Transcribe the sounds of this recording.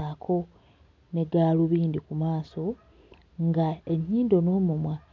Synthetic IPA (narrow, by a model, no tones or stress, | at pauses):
akʰo̞ | ne̞ɡaːluβiːndikumaːso̞ | ŋɡaeɲːiːndo̞no̞ːmumwa